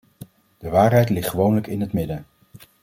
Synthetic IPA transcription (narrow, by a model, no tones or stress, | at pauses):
d̥əʋaːɹɦɛjtlɪχtχəʋownələkɪnɦətmɪdən